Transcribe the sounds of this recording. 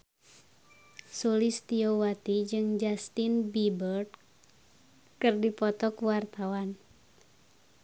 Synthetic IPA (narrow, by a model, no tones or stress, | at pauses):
sulist̪iowat̪id͡ʒɨŋd͡ʒast̪inbibərd | kɨrdipɔt̪ɔkuwart̪awan